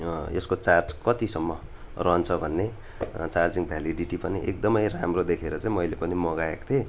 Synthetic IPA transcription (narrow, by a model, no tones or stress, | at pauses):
eskot͡sard͡zkʌt̪isʌmːʌ | rʌɦʌnt͡sʰʌbʱʌnːe | t͡sard͡ziŋɡbʱjaliɖiʈipʌniʔek̚d̪ʌmʌjramrod̪ekʰeɾʌt͡sãĩmʌjlepʌnimʌɡaekt̪ʰe